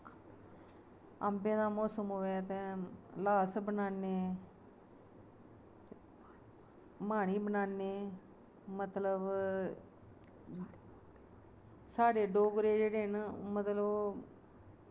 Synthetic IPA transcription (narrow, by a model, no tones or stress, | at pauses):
ə̰mbẽːd̪aːmɔːsəmɦʊːʋɛːt̪ẽːlaːsbənaːneː | maːɽ̃iːbənaːnːeː | mət̪ləb | saːɖeːɖoːɡɾeːd͡ʒeːɽeːɦnmət̪ləb